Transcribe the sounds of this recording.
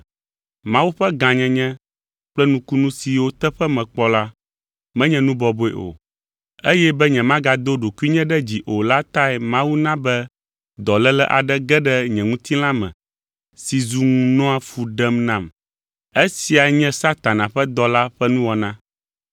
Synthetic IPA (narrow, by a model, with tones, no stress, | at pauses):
mã˦wu˦ɸɛ˦ɡã˨ɲɛ̃˨ɲɛ̃˦ | k͡plɛ˦nũ˦ku˦nũ˦si˨wo˦t̪ɛ˦ɸɛ˦mɛ̃˨k͡pɔ˦la˦ | mɛ̃˦ɲɛ̃˨nũ˦bɔ˨bo˦ɛ̰˨ʔo̰˨ | e˦jɛ˦bɛ˦ɲɛ̃˨mã˦ɡa˨d̪o˦ɖo˨ku˦i˦ɲɛ̃˦ɖɛ˦d͡ʑi˨ʔo˨la˦t̪a˦ɛ˨mã˦wu˦nã˦bɛ˦ | d̪ɔ˨lɛ˦lɛ̰˦ʔa̰˨ɖɛ˦ɡɛ˦ɖɛ˦ɲɛ̃˨ŋũ˦t̪i˦la˦mɛ̰̃˨ | si˨zu˨ŋũ˨nɔ̃˦a˨fu˨ɖɛ˦mnã˦˨m | e˦si˨a˨ɲɛ̃˦sa˦t̪a˨nã˨ɸɛ˦d̪ɔ˦la˦ɸɛ˦nũ˦wɔ˨nã˦